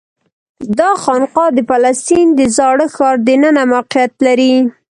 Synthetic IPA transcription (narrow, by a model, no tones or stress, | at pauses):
d̪ɑxɑnqɑd̪əpalast̪ind̪əzɑɽəxɑɾd̪ənənamaqɪjat̪laɾi